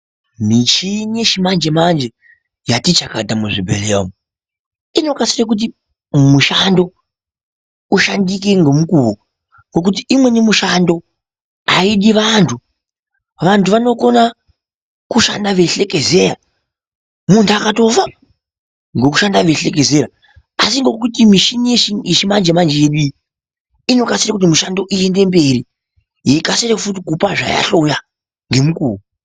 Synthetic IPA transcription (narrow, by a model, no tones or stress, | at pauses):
mit͡ʃineʃimand͡ʒe̞mand͡ʒe | jatit͡ʃakadamuʐibʱelea̰mu | ino̞kasirak̬ut̬i | muʃando̞ | uʃandik̬eŋɡomukuwo | ŋɡo̞k̬ut̬iimwe̞nemuʃando̞ | aiɗiʋantʰu | ʋantʰuʋano̞ko̞na | kuʃa̰ndaʋe̞ɬe̞ke̞ze̞ra̰ | muntʰuakato̞fa | ŋɡoku̥ʃandaʋe̞ɬe̞ke̞ze̞ɾa | asiŋɡo̞kutimiʃinijeʃieʃimand͡ʒemand͡ʒejeɗu | ino̞kasirakut̬imuʃando̞ʔie̞nde̞mbe̞ri | jeikasirakufut̬ikupaʐa̰ja̰ɬoja | ŋɡe̞mukṵːru